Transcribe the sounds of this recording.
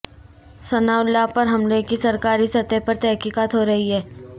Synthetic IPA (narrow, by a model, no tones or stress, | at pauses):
sɐnaːʊlapɐɾɦɐmlekisɐɾkaːɾisɐt̪epɐɾt̪ɛɦkiːkaːt̪ɦoːɾɐɦiɦɛː